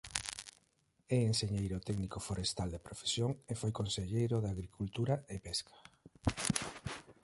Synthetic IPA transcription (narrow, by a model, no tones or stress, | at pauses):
ɛenseɲejɾot̪ɛɡnikofoɾest̪ald̪epɾofe̥sjoŋefojkonseʎejɾʊðaɣɾikʰult̪uɾaepɛskʰḁ